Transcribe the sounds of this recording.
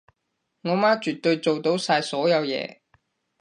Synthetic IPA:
ŋɔː˨˧maː˥t͡ʃyː˨t̪ːɵ˧ɥt͡so˨wt̪o˨˥wsaː˧jsɔː˨˥jɐ˨˧wjɛ̰ː˧

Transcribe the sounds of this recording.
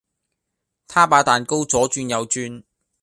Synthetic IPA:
t̪ʰaː˥paː˨˧t̪aː˨nko˥wt͡sɔː˨˥t͡ʃyː˧njɐ˨˧wt͡ʃyː˥n

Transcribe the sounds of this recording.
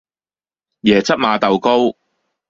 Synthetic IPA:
jɛː˨˩t͡sɐ˥p̚maː˨˧t̪ɐ˨wko˥w

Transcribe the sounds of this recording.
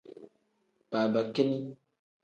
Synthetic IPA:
b̥aː˨ba˨ke˦ni˦

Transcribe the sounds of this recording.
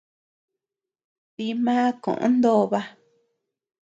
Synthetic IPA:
t̪i˧mãː˦kõ̰˨ʔõ̰˧˦nd̪o˦˧βa˧

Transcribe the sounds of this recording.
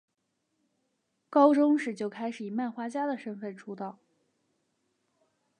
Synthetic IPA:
kɑ˥ʊʈ͡ʂʊ˥ŋʂɻ̩˨˩t͡ɕjo˥˩ʊkʰa˥ɪʂɻ̩˨˩i˨˩ma˥˩nxwa˥t͡ɕja˥d̪ə˨ʂə˥nfə˥˩nʈ͡ʂʰu˥t̪ɑ˥˩ʊ

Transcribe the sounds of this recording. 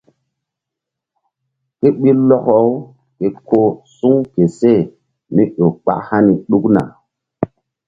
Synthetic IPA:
ke˦ɓi˦lɔ˦kɔ˦w | ke˨kʰo˦su˦ŋke˨se˦˨ | ni˦ɗo˨k͡pa̰˦ʔha˦ni˨ɗu˦kna̰˨

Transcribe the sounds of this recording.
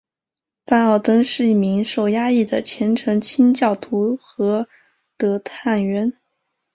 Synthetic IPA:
fa˥˧nɑ˥˩ʊt̪ɤ˥ŋʂɻ̩˥˧i˥˩mi˧˥ŋʂo˥˩ʊja˥i˥˩d̪ə˩t͡ɕʰjɛ˧˥nʈ͡ʂʰɤ˧˥ŋt͡ɕʰi˥nt͡ɕjɑ˥˩ʊt̪ʰu˧˥xɤ˧˥ | t̪ɤ˧˥t̪ʰa˥˩nɥɛ˧˥n

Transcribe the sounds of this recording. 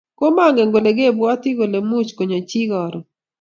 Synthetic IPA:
ko˦ma˦ŋɡɛ˨ŋɡo˨le˨ɡe˦˨bwɔ˦tɪ˦ɡo˨le˨mu˦t͡ʃko˨ɲo˨t͡ʃi˦ɡɔ˨ɾɔ˨

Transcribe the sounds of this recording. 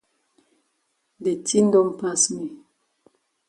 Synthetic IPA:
de˨ti˦n̩˦dɔ˦m˨pa˦smi˨

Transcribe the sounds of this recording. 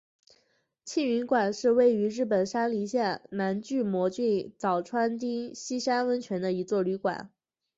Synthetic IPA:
t͡ɕʰi˥˩ny˧˥nkwa˨˩nʂɻ̩˥˧we˥˩ɪy˧˥ɻɻ̩˥˩pə˨˩nʂa˥nli˧˥ɕjɛ˥˩nna˧˥nt͡ɕy˥˩mwɔ˧˥t͡ɕy˥˩nt͡sɑ˨˩ʊʈ͡ʂʰwa˥nt̪i˥ŋɕi˥ʂa˥nwə˥nt͡ɕʰɥɛ˧˥nd̪ə˧i˧˥t͡swɔ˥˩ly˧˥kwa̰˨˩˦n

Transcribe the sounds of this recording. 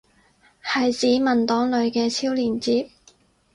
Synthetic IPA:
hɐ˨jt͡siː˨˥mɐ˨nt̪ɔː˨˥ŋlɵ˨˧ɥkɛː˧t͡sʰiː˥wliː˨˩nt͡siː˨˥p̚

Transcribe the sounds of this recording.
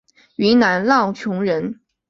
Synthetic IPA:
y˧˥na˧˥nlɑ˥˩ʊt͡ɕʰjʊ˧˥ŋɻə˧˥n

